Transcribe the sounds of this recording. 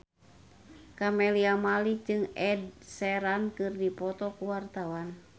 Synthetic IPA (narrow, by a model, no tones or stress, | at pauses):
kamɛliamalid͡ʒɨŋɛd̚sɛɾankɨrdipɔt̪ɔkuwart̪awan